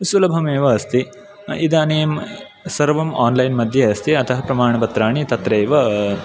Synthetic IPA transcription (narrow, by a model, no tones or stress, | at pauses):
sulɐbʱɐmeːʋɐɐst̪i | id̪aːneːm | sɐɾʋɐmaːnlɐjnmɐd̪ʱjeɐst̪iɐt̪ʰɐɦɐpɾɐmaːɳɐpɐt̪ɾaːɳit̪ɐt̪ɾeːʋɐ